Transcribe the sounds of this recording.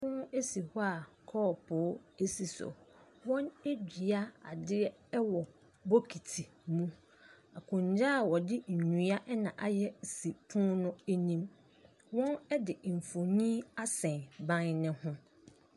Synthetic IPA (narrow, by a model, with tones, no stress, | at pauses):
ʊ̃˦ʊ̃˦e˦si˨hɔ˦a˨ | kʰɔː˦˨pʰʊ˨˦e˦si˨sɔ̰˨ | wɔ̃˦ne˦d͡ʑᶣi˨a˦a̰˨dɪ˦ɛ˦wɔ˨ | bo˦kʰi˨tʰi˨mũ˦ | a˨kʰʊ̃˨ɲ˨d͡ʑaː˦˨wɔ˨dɪ˦ɲ̩˨ɲ˨ɲũ˨a˦ʔɛ˦nã˨ʔa˨jɛ˦˨si˨pʰũ˦nʊ̃˦e˦nĩ˦m | wɔ̃˦nɛ˦dɪ˨m̩˨fo˨nĩ˦a˦sɛ̃˨nbã˦nnɪ̃˦hʊ̃˦